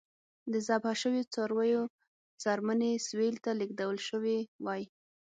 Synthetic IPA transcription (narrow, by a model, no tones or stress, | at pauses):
d̪əzabaʃəwjot͡sɑɾwəjo | t͡sɑɾməneswelt̪alɪk̚d̪awəlʃəwewɑji